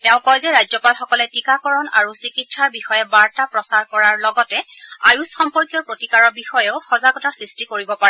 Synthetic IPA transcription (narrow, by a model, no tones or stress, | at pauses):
tɛʊ̃kɔjzɛɹajzɔpalxɔkɔlɛtikakɔɹɔna̰ɹusikitsaɹbixɔjɛbaɹtapɹɔsaɹkɔɹaɹlɔɡɔtɛa̰jusxɔmpɔɹkijɔɹpɹotikaɹɔɹbixɔjeʊxɔzaɡɔtasɹistikoɹibɔpaɹɛ